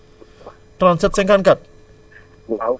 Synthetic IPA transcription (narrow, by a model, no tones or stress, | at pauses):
t̪ɾansət̪̚seŋkankat̪̚